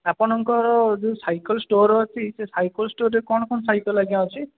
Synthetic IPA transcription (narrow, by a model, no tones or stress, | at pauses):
apɔnɔŋkɔɾɔd͡ʒewsajkɔlsʈoɾɔɔt͡ʃʰisesajkɔlsʈoɾekɔɳ̃ɔkɔnsajkɔlaɡiãɦɔt͡ʃʰi